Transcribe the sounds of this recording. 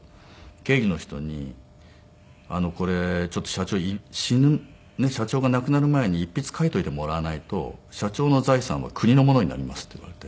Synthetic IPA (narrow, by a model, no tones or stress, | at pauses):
ke̞ːɡʲino̞çi̥t̪o̞̰ɲ̟ḭ | ano̞ko̞ɾe̞t͡ɕo̞t̪ːo̞ɕat͡ɕo̞ːiɕinɯ | ne̞ɕat͡ɕo̞ːɡanakɯ̟naɾɯ̟mae̞ɲ̟iːpʲːit͡sɨ̥kait̪o̞it̪e̞mo̞ɾanait̪o̞̰ɕat͡ɕo̞ːno̞zaisã̰βa̰kʰɯ̟ɲ̟ino̞mo̞noɲina̰ɾʲimasɨ̥t̪ːoiβa̰ɾe̞t̪e̞